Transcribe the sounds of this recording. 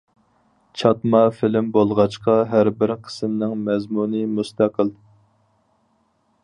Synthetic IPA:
t͡ʃʰɑt̪mɑfɪlɪmbolˠʁɑt͡ʃqɑɦæɾbɪɾqʰə̥smnɪŋmɛzmunɨmust̪ʰæqʰəl

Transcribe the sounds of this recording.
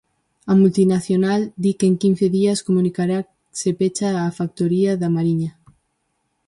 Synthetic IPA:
ɐmult̪inaθjonald̪ikeŋkin̟θeðiaskomũnikaɾa | sepet͡ʃaːfak̚t̪oɾiɐðamaɾiɲa

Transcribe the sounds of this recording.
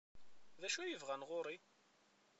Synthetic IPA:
ðæʃæjəvʁænʁʊɾˤi

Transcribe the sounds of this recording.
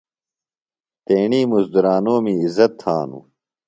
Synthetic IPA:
t̪eːɳiːmusd̪uɾaːnoːmiizɐt̪ʰːaːnṵ

